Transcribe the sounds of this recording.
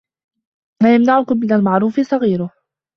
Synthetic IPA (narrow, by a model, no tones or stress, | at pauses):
maːjamnaʕʊkʊmːɪnalmaʕɾˤuːfɪsˤɑɣiːɾʊh